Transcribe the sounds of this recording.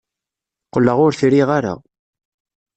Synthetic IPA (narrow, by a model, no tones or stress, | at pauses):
qːəlːəʁʊɾθɾiʁaɾa̰